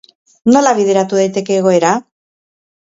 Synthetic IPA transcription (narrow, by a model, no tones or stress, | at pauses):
no̞laβiðe̞ɾat̪uðajt̪e̞ke̞ːɣ̞o̞e̞ɾa